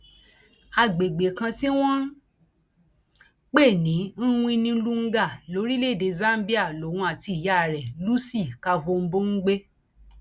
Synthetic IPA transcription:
a˧˨ɡ͡be˨ɡ͡be˨kã˧si˦w̃ɔ̃˦ | k͡pe˦˨nĩ˨˦ñ̩˦˧ĩ˦˧nĩ˧˦lu˦ŋ̩˦ɡa˦˨lo˨˦ɾi˦le˦˨de˧za˦m̩˦bi˦a˦˨lo˨˦˨ũ˧˦a˨ti˧˨ja˦˨ɾɛ˨lu˦si˦˨ka˧vo˧m̩˦bo˦ŋ̩˦ɡ͡be˦

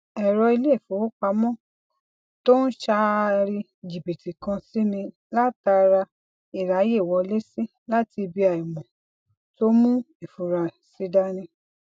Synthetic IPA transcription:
ɛ˨ɾɔ˧i˧le˦˨fu˨o˦k͡pa˧mɔ̃˦˨ | to˦n̩˦ʃa˧ɾi˧ | d͡ʒi˨bi˨ti˨kã˧si˦nĩ˧ | la˦ta˧ɾa˧ | i˦˨ɾa˨˦je˦˨wɔ˨˧le˦si˦ | la˦ti˧bi˧a˨i˨mɔ̃˨ | to˦mũ˦ | i˨fu˨ɾa˨ | si˦da˦nĩ˧˦

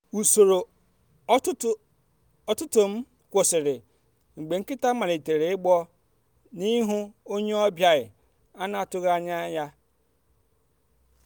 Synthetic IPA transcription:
u˨so˨ɾo˨˦ | tʊ˦ | ɔ˦tʊ˦tʊ˨m̩˦ | kʷʊ˨sɪ˨ɾɪ˨ | ŋ͡m̩˨ɡ͡be˨ŋ̩˦kɪ˦ta˦mã˨ɾe˨te˨ɾe˨ɪ˦bɔ˦ | nĩ˦ɦʊ̃˦o˦ɲe˦ɔ˦bja˨ɪ˨ | a˦na˨tʊ˦ɣa˦ɲã˦ja˦

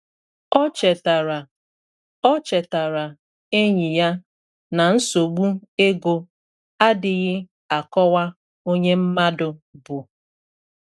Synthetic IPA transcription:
ɔ˦t͡ʃɛ˨ta˨ɾa˨ | ɔ˦t͡ʃɛ˨ta˨ɾa˨ | e˦ɲi˨ja˦ | na˨n̩˦so˨ɡ͡bu˦e˦ɡo˦ | a˦dɪ˨ɣɪ˦ | a˨kɔ˦wa˦ | o˦ɲe˦m̩˦ma˦dʊ˨bʊ˨

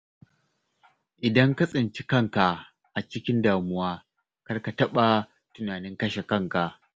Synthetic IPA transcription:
ʔɪ˨dɐ˦ŋka˦sʼɪ˨nt͡ʃi˦kɐ˦ŋka˨ | ʔa˨t͡ʃɪ˦kʲɪ˦ndaː˨mʊ˦waː˦ | kɐ˦rka˨tɐ˦ɓa˨ | tʊ˦naː˨nɪ˦ŋkɐ˦ʃe˨kɐ˦˨ŋka˨ʔ

